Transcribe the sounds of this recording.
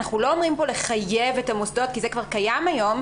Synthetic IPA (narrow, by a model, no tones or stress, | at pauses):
naχnulo̞ːmʁimpo̞le̞χajevetamosd̪o̞t̚kizekvaʁkajamajo̞m